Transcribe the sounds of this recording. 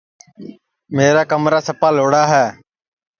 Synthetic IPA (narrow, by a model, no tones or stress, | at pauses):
meːɾaːkəmɾaːsəpaːloːɽaːɦɛː